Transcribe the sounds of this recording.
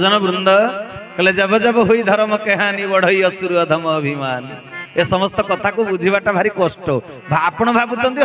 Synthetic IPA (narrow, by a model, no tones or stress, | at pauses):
d͡ʒɔnɔbɾund̪ʱɔkeled͡ʒebɔd͡ʒebɔɦujd̪ʱɔɾmɔkeɦãnibɔɽ̤ɔjɔsuɾuɔd̪ʱɔmɔːbʱimanesɔmɔst̪ɔkɔt̪ʰakubud͡ʒʱibaʈabʱaɾikosʈɔbʱaːpɔɽ̃ɔbʱabut͡ʃɔ̃nt̪i